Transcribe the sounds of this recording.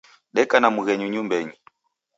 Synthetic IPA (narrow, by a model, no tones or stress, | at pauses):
ɗɛkanamuɣɛɲuɲumbɛɲi